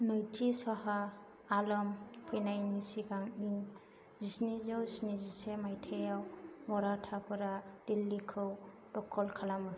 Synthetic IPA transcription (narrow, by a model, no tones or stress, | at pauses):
nɯjtʰisahaː | lɔmpʰɯjnajnisiɡaŋiŋ | zisnizawzisnizisemajtʰejawmɔɾatʰapʰɯɾad̥ilːikʰɯw | d̥ɔkʰːɔlkʰalamɯ